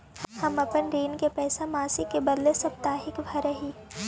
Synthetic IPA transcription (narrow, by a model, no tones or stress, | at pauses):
hɐmɐpənɾiːnkepɛːsamaːsɪkːebɐd̪lesɐp̚t̪aːɦɪkbʱɐɾɐɦiː